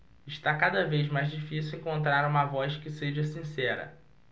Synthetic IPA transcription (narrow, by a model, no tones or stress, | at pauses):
ɪʃt̪akad̪ɐvejzmajzd͡ʒifisiwẽŋkõnt̪ɾaɾũmɐvɔʃkɪseʒɐsĩsɛɾɐ̰